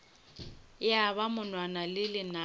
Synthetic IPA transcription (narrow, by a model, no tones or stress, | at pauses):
ɪjaβamʊnwanalɪlɪna